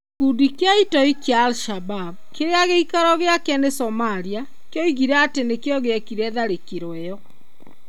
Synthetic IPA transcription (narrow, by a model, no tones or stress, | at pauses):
kudikeaitɔikjaːlʃababkeɾeaɣeikaɾɔɣeakɛnesɔmaɾia | kjɔiɣiɾɛːtenekeɔɣeɛkiɾɛðaɾekiɾwɛjɔ